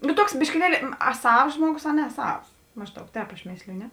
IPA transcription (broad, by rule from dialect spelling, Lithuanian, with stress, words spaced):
nʊ ˈtuɔks bʲɪʃʲkʲɪˈlʲiɛlʲɪ ɐ ˈsɐws ˈʒmuɔˌɡʊs ɐ nʲɛ ˈsɐws ˈmɑːʒˌdɐʊk ˈtʲɛːp ɐʃ ˈmʲeːsʲlʲɪjʊ ˈnʲɛ